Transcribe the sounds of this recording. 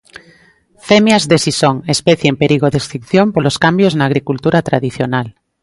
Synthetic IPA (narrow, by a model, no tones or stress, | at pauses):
femjazðesisoŋespeθjempeɾiɣ̞oðest̪ɾikθjompoloskambjoznaːɣ̞ɾikult̪uɾat̪ɾaðiθjonal